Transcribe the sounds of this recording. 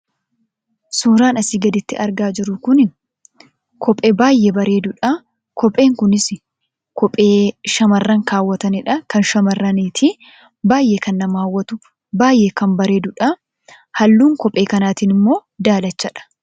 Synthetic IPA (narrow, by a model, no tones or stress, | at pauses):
suːɾaːnɐsɪɡɐd̪ɪt̪ːɪʔɐɾɡaːd͡ʒɪɾʊkʊnɪ | kʰɔpʼebaːjʔebɐɾe̞ːd̪ʊᶑɐ | kʰɔpʼeːŋkʊnɪs | kɔpʼeːʃɐmɐrːɐŋkaːwːɐt̪ɐnɪᶑɐkɐnʃɐmɐrːɐniːt̪ʰi | baːjʔeːkɐnːɐmaːwːɐt̪ʊ | baːjʔeːkɐmbɐɾe̞ːd̪ʊᶑɐ | hɐlːuːŋkɔpʼe̞ːkɐnaːt̪iːnɪmːo̞ːd̪aːlɐt͡ʃːɐᶑɐ̥